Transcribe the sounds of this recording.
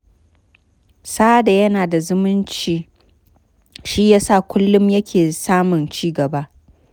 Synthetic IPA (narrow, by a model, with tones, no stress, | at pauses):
saː˦da˨jɐ˦naː˨da˨zʊ˦mʊ˦nt͡ʃiː˨ | ʃi˦jaː˦sa˦˨kʷʊ˦lːʊ˦mjɐ˦kʲʰeː˨saː˦mʊ˨nt͡ʃiː˦ɡɐ˨baː˦